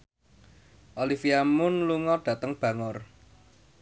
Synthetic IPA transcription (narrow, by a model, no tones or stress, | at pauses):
ʔolifiamʊnluŋɔɖ̥ä̤t̪əŋb̥ä̤ŋɔr